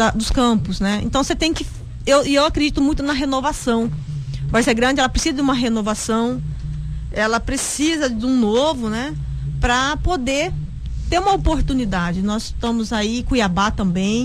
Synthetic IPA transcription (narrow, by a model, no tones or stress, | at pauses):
ɐd̪ʊskɐ̃pʊsnɛḛ̃nt̪ɐ̃w̃set̪ẽj̃kɪ | ewɪewakɾed͡ʒit̪ʊmũj̃t̪ʊnɐɦenovasɐ̃w̃ | vasɛɡɾɐ̃d͡ʒɪɛlɐpɾesizɐd̪d͡ʒɪũmɐɦenovasɐ̃w̃ | ɛlɐpɾesizɐd̪ũnovʊnɛ | pɾɐpod̪e | t̪eɾũmɐopoɾt̪unid̪ad͡ʒɪnɔzt̪ɐ̃mʊzaikõiabat̪ɐ̃mbẽj̃